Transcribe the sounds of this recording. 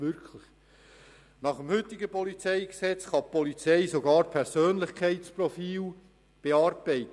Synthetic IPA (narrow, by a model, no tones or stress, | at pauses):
ʋʏɾkʰlɪχ | nɑχəmhʏt̪ːɪɡəpɔlit͡sɛɪɡsɛt͡sχɑppɔlit͡sɛɪsoɡɑːɾpʰɛɾsøːnlɪχkʰæɪtsprɔfiːl | b̥eɑːɾbɛɪt̪ə